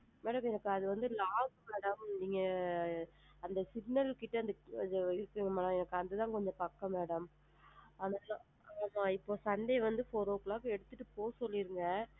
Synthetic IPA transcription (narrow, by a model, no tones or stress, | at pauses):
meːɽɐmɛnɐkːɯɐðɯʋɐnd̪ɯlaːɡmeːɽɐmniːŋɡɐ | ɐnd̪ɐsɪɡnɐlkɪʈːɐɐnd̪ɯd͡ʒɐɪɾɯkːiŋɡɐmeːɽɐmɛnɐkːɯɐnd̪ɯt̪ãːkɔɲd͡ʒɔ̃pɐkːɐ̃meːɽɐm | ɐːnaːl | amãːɪpːoːsɐɳɖeʋɐnd̪ɯfoːɾoːkɭaːkɛɽɯt̪ːɯʈːɯpoːsɔlːiɾɯŋɡɐ